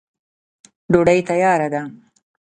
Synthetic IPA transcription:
ɖoɖajt̪ajɑːɾad̪am

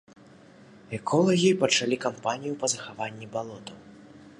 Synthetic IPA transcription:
ɛkʰɔlˠɐɣʲipɐt͡ʂalʲikampanʲijupɐzɐxavanʲːibalˠɔt̪ɐw

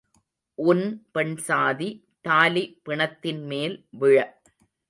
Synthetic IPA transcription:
ʔʊnpɛɳsaːði | t̪aːlipɪɳɐt̪ːɪnmeːlʋɪɻɐ

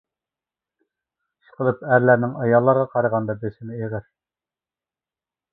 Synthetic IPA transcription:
ʃə̥qəlˠɨpæɾlæɾnɪŋɑjɑlˠːɑɾʁɑqʰɑɾəʁɑnd̪ɑbesɪnɪeʁəɾ

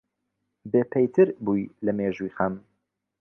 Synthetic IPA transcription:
beːpʰejt̪ʰɨɾbuːjlɐmeːʒujxɐm

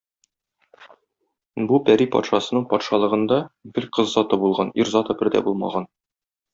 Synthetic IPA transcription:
bupæɾipɒ̰t̪ʃɑsɤ̆nɤɴpɒt̪ʃɑlˠɤ̆ʁɤ̆nd̪ɑbiɾqɤzːɒt̪ɤbulˠʁɑniɾzɑt̪ɤbɘ̆ɾd̪æ̰bulˠmɑ̰ʁɑn

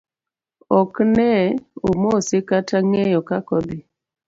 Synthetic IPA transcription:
ɔknɛomosekataŋɛjɔkakɔd̪ɪ

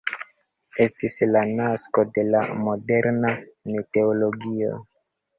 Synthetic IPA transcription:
e̞stislanasko̞de̞la̰mo̞de̞ɾnanete̞olo̞ɡio̞̰

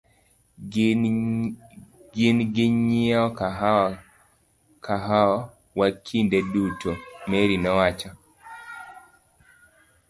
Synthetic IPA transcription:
ɡɪnɡɪɲɪɔkaɦ | kʰaɦa | wakʰindedutʰomeɾinɔwat͡ʃɔ

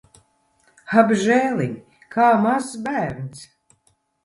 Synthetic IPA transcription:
abʒɛːliɲʲ | kʰaːmazːbæːɾns

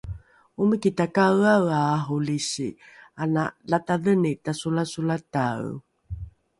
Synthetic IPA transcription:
umikitakawawaːɦuliɕḭ | analataðənitasulasulataw

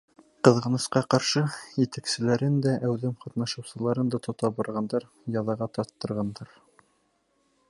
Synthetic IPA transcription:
qɤ̆ðʁɤ̆nɤ̆sqɑqɑɾʃɤjɘ̆t̪æksɘ̆læɾɘnd̪æʔæwðɘmqɑt̪nɑʃɤ̆wsɤ̆lˠɑɾɤnd̪ɑt̪ŏt̪ɑbɑɾʁɑnd̪ɑɾ | jɑðɑʁɑt̪ɑɾt̪ːɤ̆ɾʁɑnd̪ɑɾ

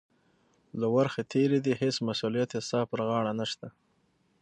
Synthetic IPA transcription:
lawaɾxat̪ʰeɾed̪ihesmasulijat̪esɑpəɾɣɑɽanaʃt̪a

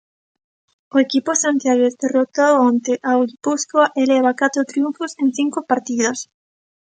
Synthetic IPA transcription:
oekiposant̪jaɣesd̪erot̪oont̪eʔawlipuskoaʔeleβakat̪ɾot̪ɾjuɱfosẽnθiŋkopaɾt̪iðos

